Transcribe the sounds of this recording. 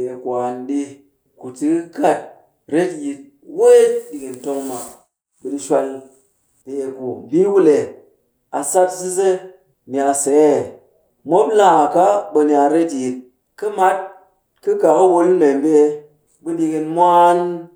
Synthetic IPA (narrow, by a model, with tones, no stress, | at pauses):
e˨kʷa˨nɗi˦ | ku˨tɨ˦ka˦˨t̚ | ɾe˦tji˧t̚ | we˦ɗi˨ki˨nto˧ŋma˨ | ɓɨ˧ɗi˧ʃʷa˧l | te˨e˨ku˨bi˦wu˦le˨ | a˨sa˦tsɨ˦ze˦ | mi˨a˨se˨˦˨ | mʷo˦pla˦˨ka˦ɓə˧ni˨a˧ɾe˦tji˨t̚ | kɨ˦ma˦t̚ | kɨ˦ka˨kə˦wo˧lne˨m˦be˦ | ɓɨ˧ɗi˧ki˧nmʷa˦n